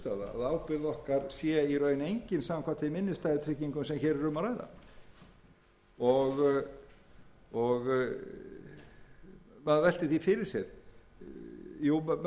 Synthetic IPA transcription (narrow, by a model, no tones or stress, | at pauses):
t̪aːða̰a̰ðaːwpɪɾðɔhkaɾ̥sjɛiɾœɥnejɲcɪnsaːaŋkʰvaːt̪ʰemɪnːɪst̪aːjðɪt̪ʰɾɪhcːiŋkʏmsɛmçɛɾɛɾʏmːaɾaːjða̰ | ɔɣ | ɔɣ | maðvɛlt̪ɪθifɪɾɪɾ̥sjɛɾ̥ | juː